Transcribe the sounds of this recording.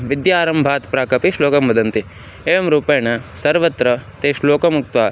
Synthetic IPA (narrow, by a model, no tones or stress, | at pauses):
ʋid̪jaːɾɐmbʱaːt̪pɾaːkɐpiʃloːkɐmʋɐd̪ɐnt̪i | eːʋɐmɾuːpɐjɐɳɐsɐɾʋɐt̪ɾɐt̪eːʃloːkɐmuk̚t̪ʋaː